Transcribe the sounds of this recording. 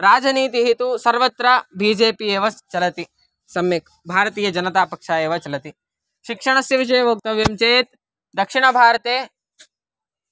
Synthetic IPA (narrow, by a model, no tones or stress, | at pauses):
ɾaːd͡ʒɐniːt̪iɦit̪usɐɾʋɐt̪ɾɐbiːd͡ʒeːpieːʋɐt͡ʃɐlɐt̪i | sɐmjɐk | bʱaːɾɐt̪iːjɐd͡ʒɐnɐt̪aːpɐkʂaːjeːʋɐt͡ʃɐlɐt̪i | ʃikʂɐɳ̃ɐsjɐʋiʃ̬ɐjɐʋɐk̚t̪ɐʋjɐmt͡ʃeːt̪ | d̪ɐkʂiɳ̃ɐbʱaːɾɐt̪eː